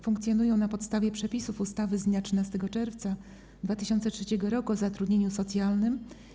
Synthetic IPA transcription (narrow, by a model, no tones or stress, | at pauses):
fuŋk̚t̪sʲjɔnujɔ̃w̃napɔt̪st̪avʲjɛpʂɛpʲisufust̪avɘzd̪ɲatʂɘnast̪ɛɡɔt͡ʂɛɾft̪sa | d̪vat̪ɘɕɔnt̪sɛtʂɛt͡ɕɛɡɔɾɔkuɔzat̪ɾud̪ɲeɲusɔt̪sʲjalnɘm